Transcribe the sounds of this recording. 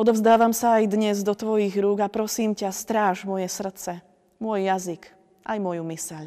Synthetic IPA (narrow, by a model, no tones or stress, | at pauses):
ɔd̪ɔvzd̪aːʋamsaːjd̪ɲɛzd̪ɔt̪ʋɔjiɣɾuːɡapɾɔsiːmcast̪ɾaːʒmɔjɛsr̩t̪t͡sɛ | mʊɔjjaziɡ | ʔajmʊɔjumisɛʎ